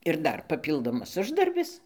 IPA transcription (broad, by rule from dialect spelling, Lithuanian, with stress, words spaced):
ɪr ˈdɐr pɐˈpʲiːlˠdoːmɐs ˈʊʒdɐrʲbʲɪs